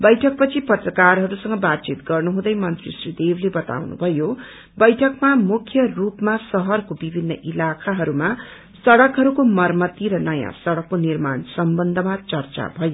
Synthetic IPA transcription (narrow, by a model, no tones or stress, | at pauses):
bʌjʈʰʌk̚pʌt͡sʰipʌt̪rʌkarɦʌɾusʌŋɡʌbat̪t͡sit̪ɡʌrnuɦũd̪ʌjmʌnt̪rḭsrid̪eblebʌt̪a̰wnṵbʱʌjo | bʌjʈʰʌkmamukʰjʌrupmasʌɦʌrkobibʱinːʌ̰ʔilakʰaɦʌɾuma | sʌɽʌkɦʌɾukomʌrmʌt̪iɾʌnʌjã̰sʌɽʌkːonirmansʌmbʌnd̪ʱʌmat͡sʌrt͡sa̰bʱʌjo